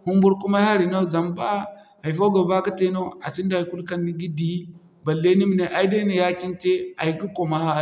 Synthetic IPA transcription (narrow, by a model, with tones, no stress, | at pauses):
hu˦mbu˦ɾku˦ma˦a˦ɾi˨no˦za˨mba˦ | a˨i˨fo˦ɡa˨ba˦ka˦te˦no˦a˨si˦nda˨i˨ku˦lka˦nːi˦ɡi˦di˦ | ba˨le˦ni˦mi˨ne˨ʔa˦i˦de˦ne˨ja˦ki˦nte˦a˨ji˨˦ku˦ko˨ma˦a˦˨